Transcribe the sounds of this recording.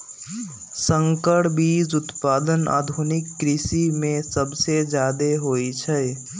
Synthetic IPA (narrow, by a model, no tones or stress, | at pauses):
sə̃ŋkəʈbiːd͡ʒʊt̪paːd̪əna̰ːd̪ʱunɪkːɾɪsimẽsəbsed͡ʒjaːd̪eɦoːit͡ʃʰɛ